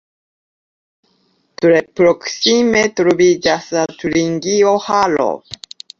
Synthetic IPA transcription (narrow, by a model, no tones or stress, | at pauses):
t̪uɾepːɾoksimet̪oɾobid͡ʒasɨat̪uɾiŋɡiohalo̰